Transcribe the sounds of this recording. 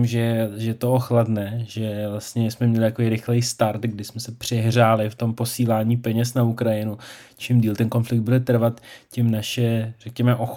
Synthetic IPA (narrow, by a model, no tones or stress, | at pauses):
mʒɛʒɛt̪ooxladnɛʒɛvlast̪ɲɛsmɛmɲɛlɪt̪akovijɾɪxlɛjst̪aɾt̪ɡdɪsmɛsɛpr̝̥ɛɦr̝aːlɪft̪o̞mpo̞siːlaːɲiːpɛɲɛsnaukɾajɪnut͡ʃɪmdiːlt̪ɛnko̞nflɪk̚d̪̚budɛt̪r̩vat̪cɪmnaʃɛrɛkɲɛmɛʔox